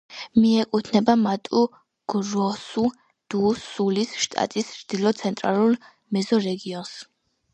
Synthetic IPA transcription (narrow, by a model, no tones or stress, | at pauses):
miɛkʼut̪ʰnɛbamat̪ʼu | ɡ̥ɾɔsu | d̪̥usulisʃt̪ʼa̰t̪ʼist͡ʃd̪̥ilˠɔt̪sʰɛnt̪ʼɾa̰lˠulˠ | mɛzɔɾɛɡiɔns